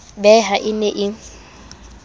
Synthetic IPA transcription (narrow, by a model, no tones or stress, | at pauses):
bɛɦaʔɪneʔɪŋ̩